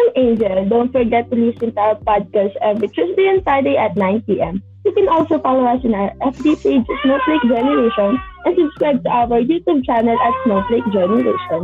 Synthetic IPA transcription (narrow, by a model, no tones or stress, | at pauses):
ɐ̃nẽnd͡ʒɛld̪õʊnt̪̚fɔɹɡɛt̪ːʊlisɪ̃nt̪uʔawəɹpad̪̚kast̪ʔɛvɹit̪ɹɛsd̪ejɔ̃nfɹaɪd̪ejʔɐt̪̚nãɪ̃npiːʔɛ̃m | hukɛ̃nɔlsofalowɐsɪ̃naɹʔɛfd̪iped͡ʒsnotleɪk̚d͡ʒɛnɛɹeʃɔ̃nʔɛ̃nsʊbskɹajb̚t̪ʊʔawəɹjuːt̪jub̚t͡ʃanɛlʔɐt̪snoʊt̪leɪk̚d͡ʒɛnɛɹḛʃɔ̃n